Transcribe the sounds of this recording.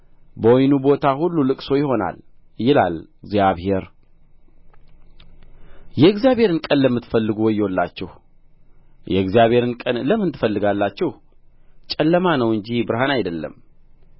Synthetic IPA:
bəojnubo̞t̪ʰahulːulɨkʼso̞jɪho̞na̰ljɪla̰lɡzjaβhe̞ɾ | jɛɨɡzjaβhe̞ɾɨnkʼənləmːɨt̪ːfəlːɨɡuwɔjːolːa̰t͡ʃːɛh | jɛɨɡzijaβhe̞ɾɨnkʼənləmːɨnt̪ʰːɨfəlːɨɡalːat͡ʃːɛh | t͡ʃʼɛlːəmanəwɨɲd͡ʒibɨɾhanajd̪əlːə̰m

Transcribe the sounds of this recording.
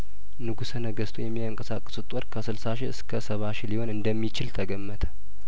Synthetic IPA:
nɨɡusənəɡəst̪ʰujɛmːiaŋkʼəsakʼːə̥sut̪ʼɔɾkʰəsɨlsaʃiɨskʰəsəβaʃiliho̞nɨnd̪əmːit͡ʃɪlt̪ʰəɡəmːət̪ʰə̥

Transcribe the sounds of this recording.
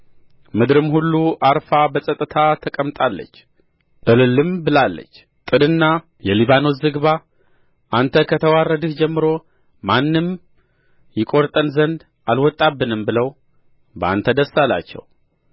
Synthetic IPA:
mɨd̪ɾɨmhulːuʔaɾfabəsʼət̪ʼːɨt̪ʰat̪ʰəkʼəmt̪ʼalːə̰t͡ʃː | ʔɨlɨlɨmbɨlalːə̰t͡ʃː | t̪ʼɨd̪ɨnːa | jɛliβano̞zɨɡβa | ʔant̪ʰəkʰət̪ʰəwarːəd̪ɨhd͡ʒɛmːɨɾo̞ | manːɨm | jɪkʼo̞ɾt̪ʼənzənd̪ | ʔalwɔt̪ʼːabːɨnɨmbɨləw | bəa̰nt̪ʰəd̪əsala̰t͡ʃːɛ̰w

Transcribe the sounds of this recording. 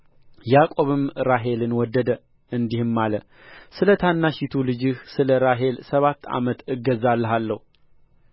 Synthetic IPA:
jakʼo̞βɨmɾaɦe̞lɨnwɔd̪ːəd̪ə | ɨnd̪ihɨmːalə | sɨlət̪ʰanːaʃit̪ʰulɨd͡ʒɨhsɨləɾaɦe̞lsəβat̪ːa̰mət̪ɨɡːəzalːəɦalːəhu

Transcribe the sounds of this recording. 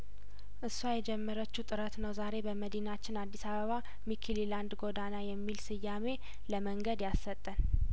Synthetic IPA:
ʔɨsːuajɛd͡ʒɛmːəɾət͡ʃːut̪ʼɨɾət̪nəwzaɾe̞bəməd̪inat͡ʃːɪnad̪ːisaβəβa | mikʰililand̪ɡo̞d̪anajɛmːilsɨjːame̞ | ləməŋɡəd̪jasːət̪ʼːən

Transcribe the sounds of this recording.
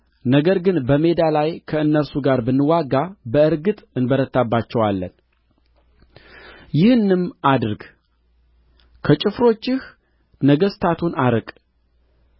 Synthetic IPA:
nəɡəɾɡɨnbəme̞d̪alajkʰəɨnːəɾsuɡaɾbənːɨwaɡːabəɨɾɡɨt̪ʼɨnbəɾət̪ːabːat͡ʃːɛwalːə̰n | jɪhɨnːɨmʔad̪ɨɾɡ | kʰət͡ʃʼɪfɾo̞t͡ʃːɪh | nəɡəst̪ʰat̪ʰunaɾəkʼ

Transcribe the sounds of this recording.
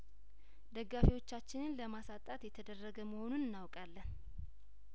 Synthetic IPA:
d̪əɡːafiwo̞t͡ʃːat͡ʃːɪnɨnləmasat̪ʼat̪jɛt̪ʰəd̪ərːəɡəməho̞nunɨnːawkʼalːən

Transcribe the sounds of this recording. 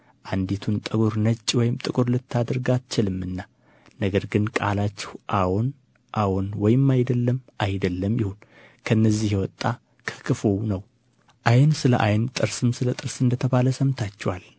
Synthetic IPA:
ʔand̪it̪ʰunt̪ʼəɡʼuɾnət͡ʃʼːwɔjɪmt̪ʼɨkʼuɾlɨt̪ʰːad̪əɾɡat͡ʃːɪlɨmːɨnːa | nəɡəɾɡɨnkʼa̰lat͡ʃːɛ̥hʔawon | ʔawonwɔjɪmːajd̪əlːəmʔajd̪əlːəmjɪhon | kʰənːəzːihjɛwɔt̪ʼːa | kʰə̥kʰɨfownəw | ʔajnsɨlə̰ʔajnt̪ʼɨɾsɨmsɨlət̪ʼɨɾsɨnd̪ət̪ʰəβaləsəmt̪ʰat͡ʃːɛwal

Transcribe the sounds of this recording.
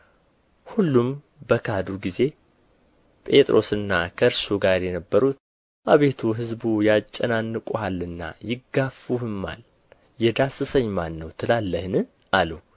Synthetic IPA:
hulːum | bəkʰad̪uɡize̞ | pʼe̞t̪ʼɾo̞sɨnːakʰəɨɾsuɡaɾjɛnəbːəɾut̪̚ | ʔaβe̞t̪ʰuɦɨzbujat͡ʃʼːənanːɨkʼuhalɨnːa̰jɪɡːafuhɨmːa̰l | jɛd̪asɨsəɲːmanːəwt̪ʰɨlalːəhɨnɨ | ʔalu

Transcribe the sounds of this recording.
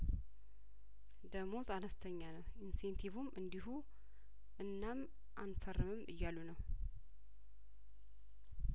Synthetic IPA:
d̪əmo̞zanəst̪ʰəɲːanəwinsent̪ʰivumʔɨnd̪ihu | ʔɨnːam | ʔanfərːɨmɨmɨjːalːunəw

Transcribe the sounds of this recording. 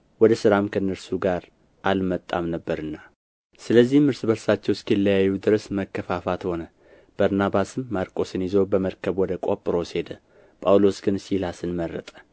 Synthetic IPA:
wɔd̪əsɨɾamkʰənːəɾsuɡaɾ | ʔalmət̪ʼːa̰mnəbːəɾɨnːa | sɨləzːihmɨɾsɨbəlsat͡ʃːɛwskʰəjɛlːəjajːud̪ɨɾəsməkːəfafat̪ho̞nə | b̥aɾnabasɨmːaɾkʼo̞sɨnjɪzəwbəməɾkʰəβwɔd̪əkʼopʼɨɾo̞se̞d̪ə | pʼawlo̞sɡɨnsilasɨnmərːət̪ʼə̥

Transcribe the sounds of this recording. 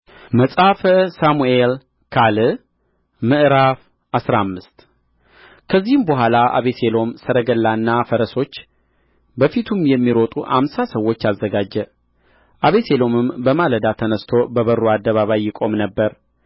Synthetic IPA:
məsʼafəsamuel | kʰalɨ | mɨʔɾaf | ʔasɾamːɨst̪ | kʰəzːihɨmbəɦʷalaʔa̰βese̞lo̞msəɾəɡəlːanːafəɾəso̞t͡ʃː | bəfit̪ʰumjɛmːiɾo̞t̪ʼuʔa̰msasəwo̞t͡ʃːazːəɡad͡ʒːɛ | ʔaβe̞selo̞mɨmbəmaləd̪at̪ʰənəst̪ʰo̞bəβəɾːuad̪ːəβaβajːɪkʼo̞mnəbːəɾ

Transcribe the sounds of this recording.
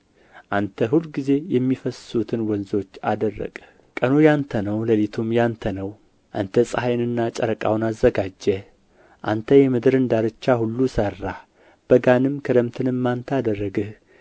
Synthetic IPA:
ʔant̪ʰəɦulɡize̞jɛmːifəsut̪ʰɨnwɔnzo̞t͡ʃːa̰d̪ərːə̰kʼə | kʼənujant̪ʰənəwləlit̪ʰumjant̪ʰənəw | ʔa̰nt̪ʰəsʼahajnɨnːat͡ʃʼəɾəkʼa̰wnazːəɡad͡ʒːəh | ʔa̰nt̪ʰəjɛmɨd̪ɨɾɨnd̪aɾɨt͡ʃːahulːusərːa | b̥əɡanɨmkʰəd̪əmt̪ʰɨnɨmːant̪ʰəad̪ərːəɡɨh

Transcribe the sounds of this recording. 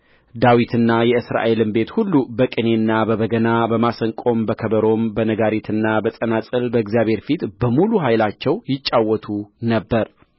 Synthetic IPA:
d̪awit̪ʰɨnːajɛɨsɾa̰ʔe̞lɨmbe̞t̪hulːubəkʼɨne̞nːabəβəɡənabəmasəŋkʼo̞mbəkʰəbəɾo̞mbənəɡaɾit̪ʰɨnːabəsʼənasʼɨlbəɪɡzijaβhe̞ɾfit̪bəmuluɦajlat͡ʃːɛwjɪt͡ʃʼːawːɔt̪ʰunəbːəɾ

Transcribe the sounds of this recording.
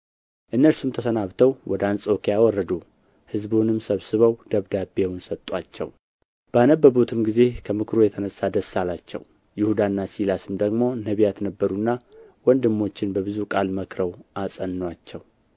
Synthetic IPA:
ʔɨnːəɾsumt̪ʰəsənaβt̪ʰəwwɔd̪ant͡sʼo̞kijawɔrːəd̪u | hɨzbunɨmsəβsɨβəwd̪̥əβd̪abewnsət̪ʼːat͡ʃːɛ̰w | b̥əanəbːəβut̪ʰɨmɡize̞kʰəmɨkʰɾojɛt̪ʰənəsːad̪əsːalat͡ʃːɛ̰w | jɪhud̪anːasilasɨmd̪əɡmo̞nəβjat̪nəbːəɾunːawɔnd̪ɨmːo̞t͡ʃːɪnbəβɨzukʼalməkʰɾəwʔasʼənːwat͡ʃːɛw

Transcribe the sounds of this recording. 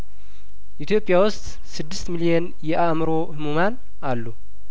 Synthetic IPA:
ʔit̪ʰjo̞pʼːjawʊst̪ | sɨd̪ːɨst̪milijen | jɛʔamɨɾo̞hɨmuman | ʔalːu

